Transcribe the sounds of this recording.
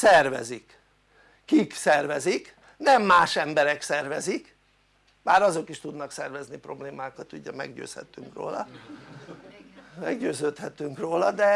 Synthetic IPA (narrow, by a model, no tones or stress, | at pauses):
sɛrvɛ̰zikː | iksɛrvɛzik | nɛmːaːʃɛmbɛɾɛksɛrvɛzik | maːɾɒzo̞kiʃt̪ud̪nɒksɛrvɛznipro̞bleːmaːkɒt̪uːɟɛmɛ̰ɡɟø̰ːshɛ̰t̪ːyŋkro̰ːlɒ̰ | mɛɡɟøːzøːt̪hɛt̪ːyŋkroːlɒd̪ɛ